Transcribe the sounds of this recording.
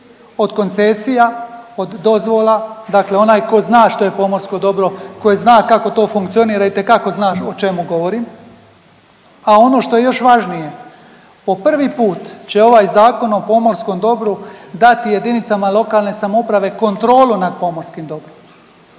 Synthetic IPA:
od̪ko̞nt̪se̞sijaod̪ːo̞zʋo̞lˠad̪akleo̞naːjko̞znaːʃt̪o̞je̞po̞mo̞ɾsko̞d̪o̞bɾo̞ko̞jeznaːkako̞t̪o̞ːfuŋkt̪sio̞niːɾait̪e̞kako̞znaːʃot͡ʃe̞muɡo̞ʋo̞ɾiːm | ao̞noʃt̪o̞jejo̞ʃʋaʒnije̞ | po̞pr̩ʋipuːt̪t͡ɕe̞o̞ʋaːjzaːko̞no̞po̞mo̞ɾsko̞md̪o̞bɾud̪at̪ije̞d̪init̪samalo̞kalˠne̞samopɾaʋe̞ko̞nt̪ɾo̞ːlunad̪̚po̞mo̞ɾskimd̪o̞bɾom

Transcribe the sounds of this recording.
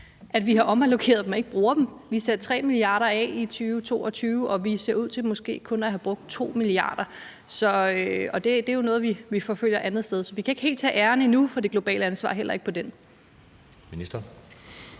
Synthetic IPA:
ʔæd̥ʋiɦɑ̈ʔɒ̽mælo̝kʰe̝̰ːɐðˠd̥emɒ̽e̝ɡ̥̚b̥ʁuːɐd̥emʋiseɐ̥t͡sʰʁɛ̰ːmiliɑ̈ːɾɐɛ̰it͡sʰyːʊt͡sʰo̝̰ːɒt͡sʰyːʊʔɒ̽ʋise̝ɐuð̰ˠt͡sʰe̝lmɔ̽sɡ̥e̝̰ːkʰɔ̽næɦæb̥ʁɔ̽ɡ̥̚d̥̚t͡sʰo̝̰ːmiliɑ̈ːd̥ɐ | sɒ̽øɒ̽d̥e̝d̥e̝jo̝nɔ̽ːð̩ˠʋiʋifɒ̽føl̰jɐʔænð̞̩ˠsd̥eð̞ˠsɒ̽ʋikʰæe̝ɡ̥he̝̰l̥̚t͡sʰɛ̰ːʔæɐnəinufɒ̽d̥e̝ɡ̥lo̝b̥ɛ̰ːləænsʋɑ̰̈ɦel̰ʔɐe̝ɡ̥̚pʰɒ̽d̥en | minisd̥ɐ

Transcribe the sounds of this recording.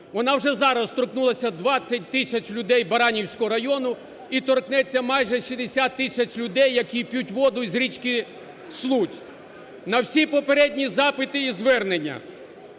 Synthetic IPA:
ʋɔnɑwʐɛzɑɾɐst̪ɾɔknulˠɐsʲɐd̪ʋɑt͡sʲːɐt̚ʲt̪ɪsʲɐt͡ʃlʲʊd̪ɛjbɐɾɑnʲiwsʲkɔɦɔɾɐjɔnʊ | it̪ɔrknɛt͡sʲːɐmɑjʒɛʃid̪esʲat̪ːɪsʲɐt͡ʃʲlʲʊd̪ɛjːɐkʲipʲjutʲʋɔd̪ʊzɾʲit͡ʃkɪ | slˠut͡ʃʲ | nɐwsʲipɔpeɾɛdʲnʲizɑpɪt̪ɪizʋɛrnenʲːɐ̰

